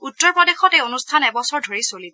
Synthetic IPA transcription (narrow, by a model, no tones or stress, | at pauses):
utːɔɹpɹɔdexɔtejonustʰanɛbɔsɔɹdʱoɹisolid